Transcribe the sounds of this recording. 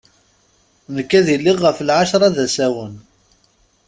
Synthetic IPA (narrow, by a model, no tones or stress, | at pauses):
nəkːæðilːiʁːəflʕaʃɾˤɑðæsæwən